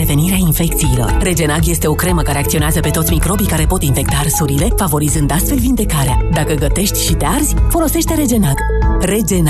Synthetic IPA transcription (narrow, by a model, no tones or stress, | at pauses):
ɾe̞ve̞niɾeainfe̞k̚t̪sijːlo̞̰rre̞d͡ʒe̞naɡje̞st̪e̞o̞kɾe̞məkaɾe̞akt̪sio̞neazəpe̞t̪o̞t̪sʲmikɾo̞bikaɾe̞po̞t̪infe̞k̚t̪arsuɾile̞favo̞ɾizɨnd̪ast̪fe̞lvind̪e̞kaɾead̪akəɡət̪e̞ʃt̪ʲʃit̪earzʲfo̞lo̞se̞ʃt̪e̞ɾe̞d͡ʒe̞naɡ̥ | re̞d͡ʒen